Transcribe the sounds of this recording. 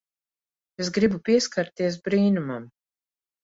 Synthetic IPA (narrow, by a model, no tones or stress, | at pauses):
es̬ɡɾibupiɛskaɾt̪iɛs̬bɾiːnumam